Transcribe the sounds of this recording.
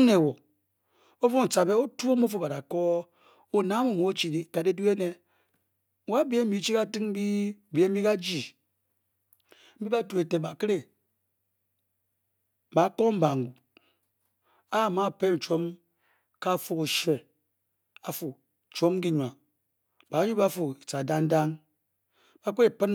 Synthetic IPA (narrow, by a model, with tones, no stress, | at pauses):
ne˨wo˨ | o˦fo˦n̩˨t͡sa˨be˦o˦tu˦o˦m˦o˦fo˨ba˨ɾa˨ko˦ | o˨na˨˦mo˦˨mo˨˦o˦t͡ʃi˨di˨ka˨de˦du˦e˦ne˦ | wa˦bi˦e˦mi˨˦t͡ʃi˦ka˦ti˦ŋ˦bi˦˨bi˨˦e˦i˦ka˦d͡ʒi˨ | m̩˦bi˦ba˦tu˨e˨te˨ba˨ki˦ɾe˨ | ba˨˦ko˦m̩˦ba˨ŋ˨ɡu˨ | a˦˨ma˦˨pe˦n̩˨t͡ʃo˦m | ka˦˨fu˦ku˨ʃe˨ | a˨fu˨ | t͡ʃʷo˦m˦ki˦ɲʷ˨a˨ | b̥a˨˦ɲu˦ba˦fu˨i˨t͡sa˨da˦ŋn˦da˦ŋ | ba˦kʷe˦e˨pɨ˦n